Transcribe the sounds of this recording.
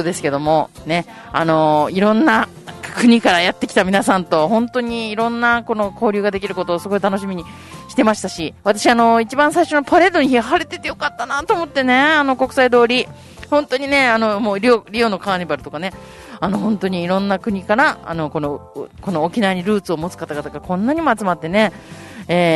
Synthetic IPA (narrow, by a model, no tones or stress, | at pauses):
od̪e̞sɨ̥ke̞d̪o̞mo̞ne̞ | a̰no̞iɾõ̞nːa | kɯ̟ɲ̟ikaɾajat̪ːe̞kʲi̥t̪amʲinasãnt̪o̞hõ̞nt̪o̞ɲ̟iːɾõ̞nːako̞no̞ko̞ːɾʲɯ̟ːɡad̪e̞kʲiɾɯ̟ko̞t̪oːsɨɡo̞it̪anoɕ̬imʲiɲ̟i | ɕi̥t̪e̞maɕi̥t̪aɕiβat̪aɕiano̞it͡ɕibãɰ̃saiɕo̞nopaɾe̞d̪o̞ɲ̟içiaɦaɾe̞t̪e̞t̪ːejokat̪ːanat̪o̞ːmo̞t̪ːe̞ne̞ano̞ko̞kɯ̥said̪o̞ːɾʲi | hõnt̪o̞ɲ̟ine̞ano̞mo̞ːɾʲoɾʲio̞no̞kaːɲibaɾɯ̟̥t̪o̞kane̞ | ano̞ɦõ̞nt̪o̞ɲ̟iːɾõ̞nːakɯ̟ɲ̟ikaɾaa̰no̞ko̞no̞ko̞no̞ːkʲinaβaɲ̟iɾɯ̟ːt͡sɨo̞mo̞t͡sɨ̥kat̪aɡat̪aɡakõ̞nːaɲ̟imo̞at͡sɨmat̪ːe̞ne̞ | eː